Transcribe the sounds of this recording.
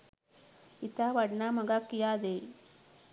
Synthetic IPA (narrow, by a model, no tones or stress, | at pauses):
it̪aʋɐɖnamɐɡakːijaːd̪e